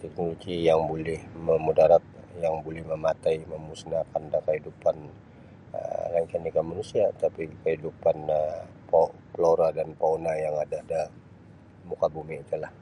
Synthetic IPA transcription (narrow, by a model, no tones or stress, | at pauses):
t̪ɛk̚noloɡijaŋbolɛhməmudaɾat̪̚jaŋbolɛhməmat̪ajməmusnakandakəɦidupan̰ | laŋkanikamanusiat̪apikəɦidupanəpoploɾadanpaonajaŋadada | mukabumiːt̪ulah